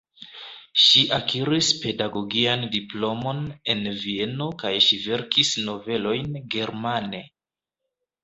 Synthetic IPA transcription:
ʃiʔakʰiɾispe̞daɡo̞ɡiandiplo̞mo̞ne̞nvie̞no̞kajʃive̞ɾkisno̞ve̞lo̞jnɡe̞ɾmane̞

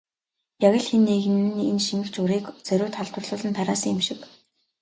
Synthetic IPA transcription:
pjaɣʲə̆ɮxenːeɣɘ̆nɘ̆nenʃinɘ̆kt͡ɕʊɾiːkt͡sœɾʲʊːt̪χɔɮt̪wə̆rɮʊːɮə̆nt̪ʰaɾaːsə̆ŋɪmʃɪ̆k

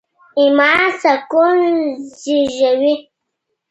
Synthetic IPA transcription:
imasakonziʒəwi

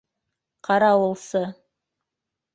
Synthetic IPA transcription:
qʰɑɾɑwə̆lˠsɤ

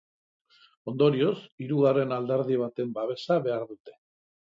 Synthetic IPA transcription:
o̞nd̪o̞ɾio̞siɾuɣ̞are̞nald̪e̞ɾð̞iβ̞at̪e̞mbaβe̞saβe̞aɾðut̪e̞̥

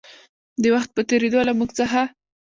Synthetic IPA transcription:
d̪əwaxt̪̚pət̪eɾed̪olamuɡt͡səxa

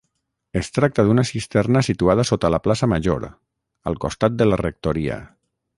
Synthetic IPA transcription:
est̪ɾak̚t̪əðunəsist̪ɛrnəsit̪uað̞əsot̪əlaplasəmaʒo̰ɾ | ə̰lˠkost̪at̪̚d̪əlarek̚t̪oɾiə̰

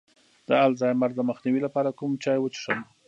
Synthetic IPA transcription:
d̪̥əalzɑjmaɾd̪əməxniwilapɑɾakumt͡ʃɑjwət͡ʃi̥ʂəm

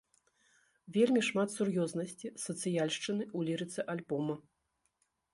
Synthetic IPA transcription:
vʲelʲmʲiʂmat̪surjɔznɐsʲt͡sʲisɐt̪sɨjalʲʂt͡ʂɨnɨulʲiɾɨt̪sɛʔalʲbɔmɐ

